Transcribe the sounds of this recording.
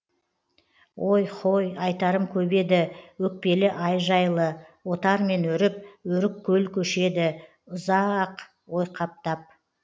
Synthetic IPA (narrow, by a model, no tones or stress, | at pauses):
wʔo̞jqʰo̞jɑjt̪ɑɾəmkʲʰɵbe̞d̪ɪwɵk̚pe̞lɪʔɑjʒɑjlˠəwo̞t̪ɑɾme̞nɵɾɪp̚wɵɾɪkkʲʰːɵlkʲʰɵʃe̞d̪ɪ | ʊzɑq | wo̞jqʰɑp̚t̪ɑp̚